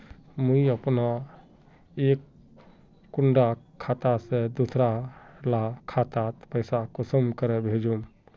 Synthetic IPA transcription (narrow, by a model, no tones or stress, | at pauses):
məiəpna | ekː | uɳɖakʰat̪ased̪usɾalakʰat̪at̪pəɪsakusəmkəɾebʱed͡ʒũm